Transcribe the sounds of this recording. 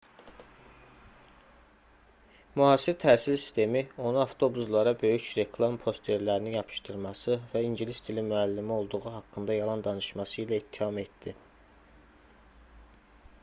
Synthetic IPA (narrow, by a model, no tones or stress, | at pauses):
muhɑːsiɾt̪ʰæːsilsi̥st̪e̞mio̞nuɑft̪ʰo̞buzlˠɑɾɑbø̞jycɾe̞kʰlˠɑmpʰo̞st̪ʰe̞ɾlæɾinijɑpʰɯ̥ʃt̪ɯɾmɑsɯvæiɲɟilist̪ʰilimyælːimio̞lˠd̪uʁuɦɑkːɯnd̪ɑjɑlˠɑnd̪ɑnɯʃmɑsɯilæit̪ʰːihɑme̞t̪d̪i